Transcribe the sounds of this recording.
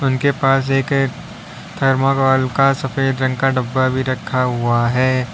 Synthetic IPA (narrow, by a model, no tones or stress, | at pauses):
ʊnkepaːs̬eːk | t̪ʰɐɾmakaːlkasɐfeːd̪ɾɐ̃ŋɡkaɖɐbːabʱiɾɐkʰːaɦʊaɦɛː